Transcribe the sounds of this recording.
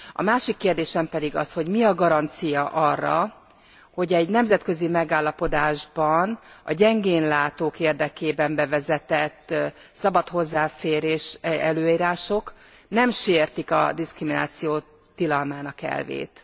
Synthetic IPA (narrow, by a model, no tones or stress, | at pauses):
ɒ̰maːʃikːeːrd̪eːʃɛmpɛd̪iɡɒsho̞ɟmiɒɡɒɾɒnt̪sijɒʔɒrːɒ̰ | ho̞ɟɛɟnɛmzɛt̪kø̞zimɛɡaːlːɒpo̞d̪aːʒbɒnɒ̰ɟɛŋɡeːnlaːt̪oːkeːrd̪ɛkeːbɛmbɛvɛzɛt̪ɛt̪ː | sɒbɒt̪ho̞zːaːfeːɾeːʃɛløːiːɾaːʃok | nɛmʃeːrt̪ikɒ̰d̪iskrimina̰ːt̪sijoː | t̪ilɒlmaːnɒkɛ̰lvḛːt̪